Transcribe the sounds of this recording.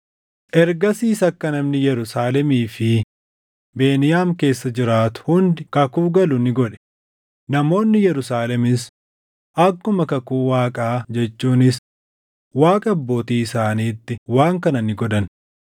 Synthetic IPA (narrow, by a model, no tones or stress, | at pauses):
ʔɛɾɡɐsiːsɐkːɐnɐmnɪjɛɾʊsaːlɛmiːfɪ | be̞ːnɪjaːmke̞ːsːɐd͡ʒɪɾaːt̪ʊ̥hʊnd̪ɪkɐkuːɡɐlʊnɪɡɔᶑɛ̥ | nɐmo̞ːnːɪjɛɾʊsaːlɛmɪs | ʔɐkːʊmɐkɐkuːwaːkʼaːd͡ʒɛt͡ʃːuːnɪs | waːkʼɐɐbːo̞ːt̪iːɪsaːniːt̪ːɪwaːŋkɐnɐnɪɡɔd̪ɐn